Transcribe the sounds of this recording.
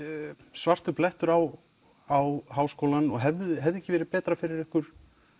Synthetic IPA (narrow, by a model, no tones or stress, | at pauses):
svar̥t̪ʏplɛht̪ʏɾaw | awɦaːwskoːwlanɔɣɦɛvðʏɦɛvðɛhcːɪvɛːɾɪpɛːt̪ɾafɪɾɪɾɛhkʏɾ̥